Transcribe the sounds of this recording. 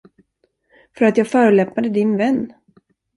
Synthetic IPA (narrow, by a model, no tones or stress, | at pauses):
fœɾat̪jɑːɡfœːɾəɭɛpnad̪əd̪ɪnvɛnː